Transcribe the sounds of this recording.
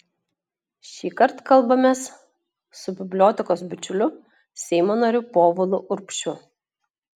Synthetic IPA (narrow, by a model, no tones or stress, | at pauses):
ʃʲiːkɐɾt̪kɐlˠbɐmʲeːs | sʊbʲɪbʲlʲoːt̪ʲɪkoːsbʲɪt͡ʃʲʊlʲʊ | sʲɛɪmoːnɐɾʲʊpoːʋɔlˠʊʔʊɾpʲʃʲʊ